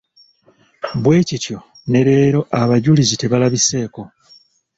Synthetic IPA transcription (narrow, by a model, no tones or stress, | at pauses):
bwe̞ːcitjo̞ | ne̞ɾe̞ːɾo̞ʔaβaɟulizite̞βalaβise̞ːko̞